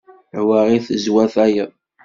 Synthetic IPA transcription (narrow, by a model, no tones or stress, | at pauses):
ʕwæʁiθəzwæθæjəðˤ